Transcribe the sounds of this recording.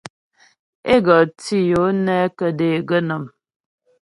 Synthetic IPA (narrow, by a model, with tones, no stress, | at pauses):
e˦ɡɔ˨ti˦jo˨˦nɛ˦kə˨de˨ɡə˦nə˨m